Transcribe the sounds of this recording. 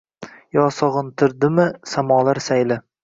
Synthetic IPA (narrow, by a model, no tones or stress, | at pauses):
jɒːsɒʁɨnt̪ʰɪɾd̪ɪmɪsamɒːlˠaɾsajlɪ